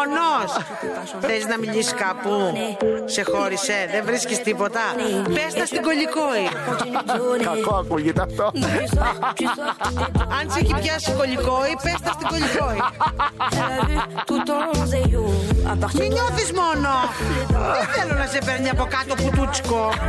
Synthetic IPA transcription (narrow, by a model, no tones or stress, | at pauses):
nos | θeliznɐmiʎisi̥kɐpusexoɾiseðevɾiskist̪ipot̪ɐpest̪ɐst̪iɡoʎikoi | kɐkoakuʝit̪ɐft̪o | ɐnsicipçɐskoʎikoipest̪ɐst̪iɡoʎikoi | ɐt̪ut̪ | miɲoθizmonoðeθelonɐsepeɾɲiɐpokɐt̪oput̪ut͡ssi̥ko